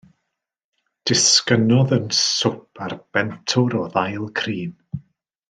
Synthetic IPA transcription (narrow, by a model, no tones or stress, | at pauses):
d̥ɪskənɔðənsʊpʰarb̥ɛntʰʊɾɔðajlˠkʰriːm